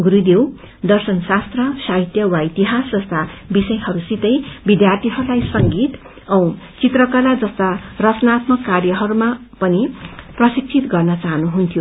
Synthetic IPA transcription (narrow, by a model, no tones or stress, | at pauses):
ɡuɾud̪ew | d̪ʌrsʌnsast̪rʌsaɦit̪jʌwait̪iɦasd͡zʌst̪abisʌjɦʌɾusit̪ʌjbid̪jart̪ʰiɦʌɾulajsʌŋɡit̪ | ʌ̃w̃ | t͡sit̪rʌkalad͡zʌst̪arʌt͡snat̪mʌkːarjʌɦʌɾumapʌniprʌsik̚t͡sʰit̪ɡʌrnʌt͡saɦʌnuɦunt̪ʰjo